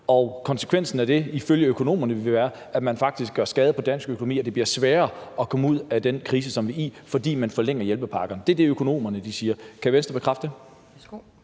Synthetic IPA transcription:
ɒ̽kʰɒ̽nsə̥kʰʋen̰sn̩æd̥e̝iføljəøkʰo̝no̝̰ːmɐnəʋʋe̝ʋæːɐ | æmænfɑ̈ɡ̥d̥isɡ̥ɶɐsɡ̥ɛːð̞̩ˠpʰɒ̽d̥æn̰sɡ̥økʰo̝nomḭːɒd̥e̝b̥liɐsʋæːɐːɒ̽kʰɒ̽məuð̞̰ˠæd̥enkʰʁiːsəsɒ̽mʋiḭfɒ̽d̥ḭːmænfɒ̽leŋ̰ɐjelb̥əpʰɑ̈ːɡ̥ɐnd̥e̝æɐd̥e̝økʰo̝no̝̰ːmɐnəd̥isiːɐkʰæʋensd̥ɐbekʰʁafd̥ə

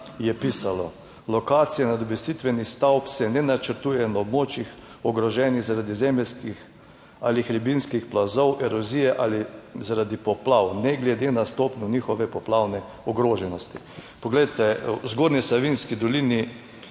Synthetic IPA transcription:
jɛpiːsalɔ | lɔkaːt̪sijɛnad̪ɔbɛst̪it̪ʋɛnist̪awpsɛnɛnat͡ʃəɾt̪uːjɛnaɔbmoːt͡ʃix | ɔɡɾɔʒɛniɣzaɾad̪izɛmɛskix | a̰lixɾibinskixplazɔwʔɛɾɔzijɛʔalizaɾad̪ipɔplawnɛɡlɛd̪enast̪oːpnunixɔʋɛpɔplawnɛ | ɔɡɾoːʒɛnɔst̪i | pɔɡlejt̪ɛzɡoːɾnisaʋinskid̪ɔliːni

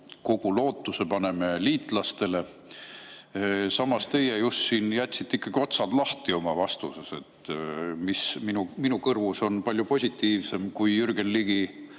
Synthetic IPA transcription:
ko̞ɡ̥ulo̞ːt̪ːˑuse̞pɑne̞me̞liːt̪ˑlɑst̪e̞le̞ | sɑmɑst̪e̞jejust̪siːnjæt̪ʲːsit̪ːˑikːˑɑɡ̥io̞t̪sɑd̪̥lɑht̪io̞mɑvɑst̪usese̞t̪ːˑmisminuminukɤrvuso̞npɑlʲjupo̞sʲit̪ːiːvse̞mkujyrɡ̥e̞nːiɡ̥i

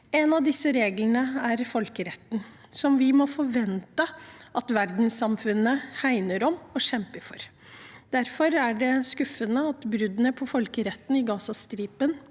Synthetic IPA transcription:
ɛnɑʋd̪ɪsːəɾeːɡlənəæɾfɔlkəɾɛt̪ːn̩ | sɔmʋɪmɔfɔɾʋɛnt̪əʔɑt̪ʋæɾd̪n̩sɑmfʉnːəhæɪnəɾɔmɔɕɛmpəɾfɔɾ | d̪̥æɾfɔɾæɖɛskʉfːənəɑt̪bɾʉd̪nəpʰɔfɔlkəɾɛt̪ːn̩ɪɡɑːsɑst̪ɾiːpən

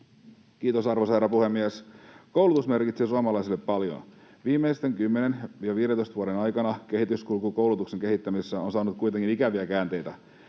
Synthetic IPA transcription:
k̟iːt̪osɑrʋosɑherːɑpuhemːiæskowlut̪usme̞rkit̪seːsuɑmɑlɑjsilːepːɑljo̰nʋiːmːejst̪eŋkymːenenʋiɑʋiːɾent̪oist̪ʋuoɾenɑjkɑnɑke̞ɦit̪yskulkuko̞wlut̪ukse̞ŋke̞hit̪ːæmisesːæonsɑːnut̪̚kujt̪eŋkinikæʋiækæːnt̪e̞jt̪æ

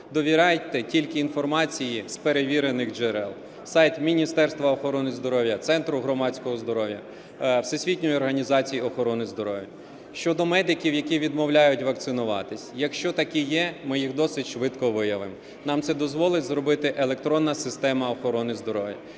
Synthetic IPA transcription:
d̪ɔʋʲiɾɑjt̪ːɛtʲilʲkɪinfɔrmɑt͡sʲijispeɾeʋʲiɾenɪxd͡ʒɛɾɛlˠ | sɑjt̪mʲinʲist̪ɛrst̪ʋɐɔxɔɾɔnɪzd̪ɔɾɔʋʲjɐt̪sɛnt̪ɾʊɦɾɔmɑt͡sʲkɔɦɔzd̪ɔɾɔwjɐ | wsesʲʋʲitʲnʲɔjɔrɦɐnʲizɑt͡sʲijiɔxɔɾɔnɪzd̪ɔɾɔʋʲjɐ | ʃt͡ʃɔd̪ɔmɛd̪ɪkʲiwjɐkʲiʋʲid̪mɔwlʲajʊtʲʋɐk̚t̪sɪnʊʋɑt̪ɪsʲjɐkʃt͡ʃɔt̪ɐkʲijɛmɪjixd̪ɔsɪtʲʃʋɪt̪kɔʋɪjɐʋɪm | nɑmt̪sɛd̪ɔzʋɔlˠɪtʲzɾɔbɪt̪ɪʔelˠekt̪ɾɔnːɐsɪst̪ɛmɐɔxɔɾɔnɪzd̪ɔɾɔʋʲjɐ̰

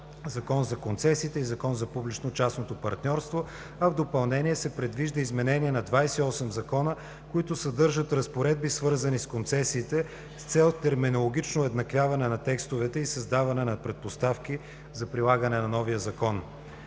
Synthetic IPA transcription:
zɐkɔnzɐkont̪sɛsiːt̪ɛizɐkɔnzɐpublʲit͡ʃnot͡ʃasnot̪opɐɾt̪nʲɔɾst̪vo | ɐvd̪opɐlˠnɛniɛsɛpɾɛd̪viʒd̪əizmɛnɛniɛnɐd̪vajsɛiɔsɛmzɐkɔnə | koit̪ʊsɐd̪ɤɾʒət̪ɾɐspoɾɛd̪̚bisvɤɾzɐniskont̪sɛsiːt̪ɛ | st̪sɛlˠt̪ɛɾminolˠoɡ̟it͡ʃnoɛd̪nɐkvʲjavɐnɛnɐt̪ɛkst̪ovɛt̪ɛisɐzd̪avɐnɛnɐpɾɛt̪̚post̪afk̟i | zɐpɾilˠaɡɐnɛnɐnɔvijəzɐkɔn

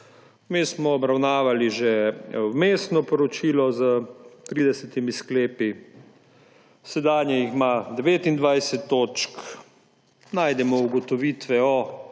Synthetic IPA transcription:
mismɔːbɾawnaːʋaliʒemeːsnɔpɔɾɔt͡ʃiːlɔzət̪ɾiːd̪ɛsɛt̪imiskleːpi | sɛd̪aːnjɛjixmad̪ɛʋeːt̪ind̪ʋajsɛt̪ːoːt͡ʃk | najd̪ɛmɔuɡɔt̪ɔʋiːt̪ʋɛɔ

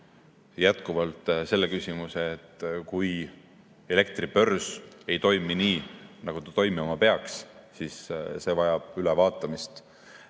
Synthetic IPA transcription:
jæt̪kuvɑlt̪ˑse̞lːekysʲimuseːt̪ːkuj | e̞le̞k̚t̪rib̥ø̞rsejt̪o̞jminiːnɑɡ̥ut̪ɑt̪o̞jmɑmɑpe̞ɑkssisse̞ːvɑjɑb̥ylɛvɑːt̪ːˑɑmist̪

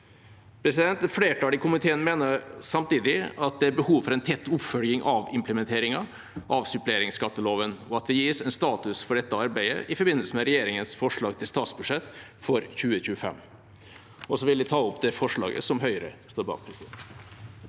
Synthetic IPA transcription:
pʰɾɛsɪd̪ɛnt̪ɛfleːʈʰɑːɪkʰʊmɪt̪ʰeːənmeːnəɾsɑmt̪iːd̪ɪɑt̪̚d̪ɛæɾbəhuːʋfɔɾɛnt̪ʰɛt̪ːʊpfœljɪŋʔɑʋɪmpləmɛnt̪ʰeːɾɪŋɑ | ʔɑʋsʏpleːɾɪŋskɑt̪ːəloːʋənɔɑt̪̚d̪ɛjiːsɛnst̪ɑːt̪ʉsfɔɖɛt̪ːəɑɾbæɪə̰ʔɪfɔɾbɪnːəlsəmɛɾɛjeːɾɪŋənsfɔʂɭɑːɡt̪ʰɪlst̪ɑːt̪sbʉ̥ʂɛt̪ːfɔɾçʉːəçʉːəfɛ̰mː | ʔɔsɔʋɪld̪ɪt̪ʰɑːʊpːd̪ɛfɔʂɭɑ̰ːɡə̰sɔmɦœʏɾə̰st̪oːɾbɑ̰ːk̚pʰɾɛsɪd̪ɛnt̪

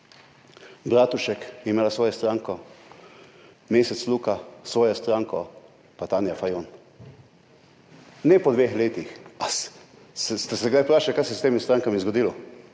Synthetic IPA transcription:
bɾaːt̪uʃɛkjɛimeːlasʋɔːjɛst̪ɾaŋkɔ | meːsɛt̪sluːkasʋɔːjɔst̪ɾaːŋkɔ | pat̪aːnjafajon | nɛpɔd̪ʋeːxleːt̪ixas | sɛst̪ɛsɛɡd̪ajpɾaːʃɛkajsɛst̪eːmist̪ɾaːŋkamizɡɔd̪ilɔ

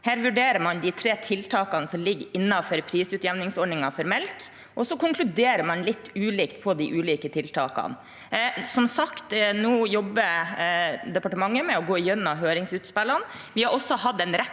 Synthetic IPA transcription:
hæːɾʋʉɖeːɾəɾmɑnd̪ɪt̪ʰɾeːt̪ʰɪlt̪ʰɑːkɑnəsɔmlɪɡɪnːɑfɔɾpʰɾiːsʉːt̪jɛʋnɪŋsɔɾɖɳɪŋɑfɔɾmɛlt̪ | ʔɔsɔkʊŋkʰlʉd̪eːɾəɾmɑnlɪt̪ːʉːliːkt̪pʰɔd̪ɪʔʉːliːkət̪ʰɪlt̪ʰɑːkɑ̰n | sɔmsɑkt̪nuːjɔbːə | d̪ɛpɑʈəmɑŋːəmɛɔɡoːɪjɛnːɑɦøːɾɪŋsʉːt̪spɛlːɑn | ʋɪhɑɾɔsːɔhɑd̪ɛnɾɛ

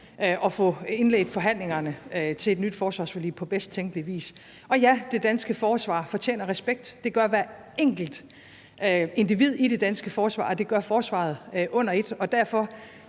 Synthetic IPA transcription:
ʔɒ̽fɔ̽e̝nlḛːd̥fɒ̽ɦæn̰le̝ŋɐnət͡sʰe̝le̝d̥nyd̥fɒːsʋɑ̈ːsfoly̰pʰɒ̽b̥esd̥̚t͡sʰeŋɡ̥əliʋḭːs | ʔɒ̽jæd̥e̝d̥ænsɡ̥əfɒːsʋɑ̰̈ːfɒ̽t͡ɕʰḛːnɐʁɛsb̥eɡ̥̚d̥ːe̝ɡ̥ɶɐʋæɐ | eŋ̰ɡ̥l̩d̥ | e̝nd̥iʋið̰ˠiɾ̥e̝d̥ænsɡ̥əfɒːsʋɑ̰̈ːd̥e̝ɡ̥ɶɐfɒːsʋɑ̰̈ð̞̩ˠøʔɔ̽n̰ɐe̝d̥ɒ̽d̥æɐ̰fɒ̽

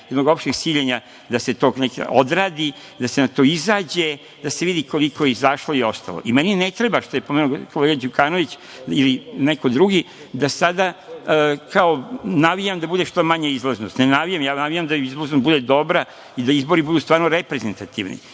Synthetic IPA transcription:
jɛd̪noɡo̞pʃt̪eɡsiːʎeɲa | d̪ase̞t̪o̞ːɡnekod̪ɾaːd̪i | d̪asenat̪o̞izaːd͡ʑe | d̪aseʋid̪iko̞likojeizaʃlˠoio̞st̪a̰lˠo̰ʔimeninet̪ɾebaʃt̪ojepomenukʰoleɡad͡ʑukaːno̞ʋit͡ɕ | ilineko̞d̪ɾuɡi | d̪asad̪a | kaonaʋijamd̪abud̪eʃt̪omaɲeizlˠaznost̪nenaʋijamjaːnaʋijamd̪aizloznosbud̪ed̪o̞bɾa | id̪aizbo̞ɾibud̪uːst̪ʋaːɾnoɾepɾezent̪at̪iʋnḭ

